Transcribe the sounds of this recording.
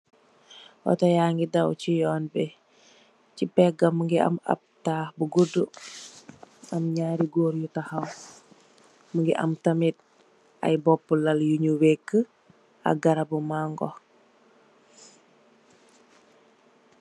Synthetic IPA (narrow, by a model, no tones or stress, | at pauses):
wɔ̰tɐjaːŋɡidɐwcijɔːnbɛ | cipɛɡɐməŋɡiɐ̰mɐ̰p̚taːhbuɡudu | ɐmɲaːɾiɡoːɾjutahɐw | məŋɡiʔɐ̰mtɐmit̚ | ɐ̰jbɔpːulɐljuɲuwekːə | ɐ̰ɡɐɾɐbumaŋɡɔ̰